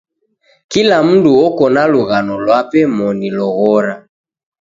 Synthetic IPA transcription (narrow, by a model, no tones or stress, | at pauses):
kilam̩nduɔkɔnaluɣanɔlwapɛmɔnilɔɣɔɾa